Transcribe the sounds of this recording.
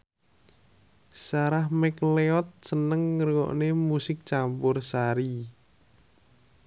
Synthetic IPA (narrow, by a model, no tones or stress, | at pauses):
saɾahmɛkleɔt̪̚sənəŋːərɡɔ̰ʔnemusɪk̚t͡ʃampʊrsaɾi